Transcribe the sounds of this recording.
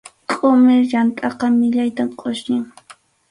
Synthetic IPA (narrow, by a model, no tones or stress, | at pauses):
kʼʊmɪɾjant̪ʼɑqɑmɪʎajt̪amqʼʊʃɲɪŋ